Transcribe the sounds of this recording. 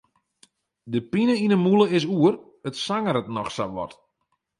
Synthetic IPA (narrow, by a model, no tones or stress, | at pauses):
dəpinəinəmulˠəɪs̬uər | ətsaŋəɾətnɔxsa̰ʋɔ̰t